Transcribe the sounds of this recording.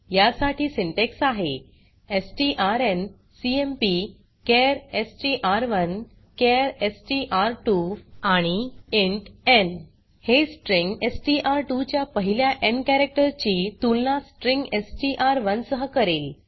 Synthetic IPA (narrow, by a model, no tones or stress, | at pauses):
jasaʈʰiːsiɳʈeksaɦe | esʈiʔaɾen | siempi | keɾesʈiʔaɾʋən | keɾesʈiʔaɾʈuaɽ̃ieɳʈen | hesʈɾiŋɡesʈiʔaɾʈut͡ɕjapəɦiljaʔenkæɾek̚ʈəɾt͡ɕit̪ulnasʈɾĩŋɡesʈiʔaɾʋənsəɦəkəɾel